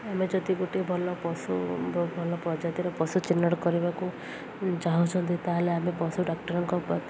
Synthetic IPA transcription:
amed͡ʒɔd̪iɡoʈibʱɔlɔpɔsubʱɔlɔpɔd͡ʒat̪iɾɔpɔsut͡ʃinːɔɽkɔɾibaku | t͡ʃaɦũt͡ʃʰɔnt̪it̪aɦeleamepɔsuɖakʈɔɾɔŋkɔpɔ

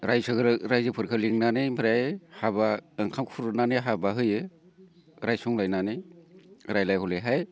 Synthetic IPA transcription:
ɾajsɯɡɯɾɾajzɯpʰɯɾkʰɯliŋnanɯjmiɾajhabaɯŋkʰamkʰuɾɯnanɯjɦabaɦɯjɯ | ɾajsuŋlajnanɯj | ɾajlajhɔlɯɦaj

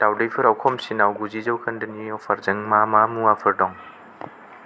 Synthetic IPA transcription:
tawdejpʰɯɾawkʰɔmsinawɡuzizɐwkʰɐndɯniɔwpʰɐɾzɐŋmamamuapʰɯɾdɔŋ

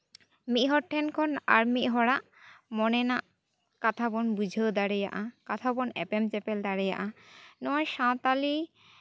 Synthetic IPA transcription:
mit̪ɦɔʈʰːɛnkʰɔna̰ɾmiʔ̪ɦɔɽaʔ | mɔnɛnaʔ | kat̪ʰabɔnbud͡ʒʱed̪aɾɛja̰ʔakat̪ʰabɔnɛ̰pemt͡ʃɛpɛld̪aɽɛja̰ʔanɔʃãt̪ali

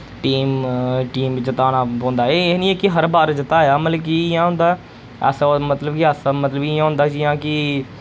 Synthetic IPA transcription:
ʈiːmʈiːmʋɪt͡ʃt̪aːnaːõːnd̪aːeːnĩːeːkɪɦəɾbaːɾd͡ʒɪt̪aːjaːməəkijãːɦʊ̃nd̪aː | ɛ̰ːsmət̪ləbkɪɛːsamət̪ləbiãːɦʊ̃nd̪aːd͡ʒijãːkɪ

